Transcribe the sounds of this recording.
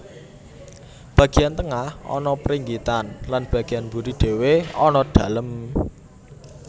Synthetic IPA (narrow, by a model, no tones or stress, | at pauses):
b̥ä̤ɡ̥i̤jant̪əŋahɔ̰nɔpəɾiŋɡit̪anlanb̥a̤ɡ̥i̤janbuɾiɖ̪̥e̤weɔnɔɖ̥ä̤ləm